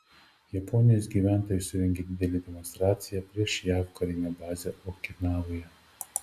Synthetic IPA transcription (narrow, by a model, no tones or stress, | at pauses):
jɐpɔnʲɪjoːsɡʲiːʋʲæˑnt̪oːjʊsʲʊɾʲɛŋʲɡʲed̪ʲɪd̪ʲɛlʲed̪ʲɛmɔnst̪ɾɑːt̪sʲɪjɛpʲɾʲiɛʃjæːʋkɐɾʲɪnʲɛbɑːzʲɛʔokʲɪnɑːʋojɛ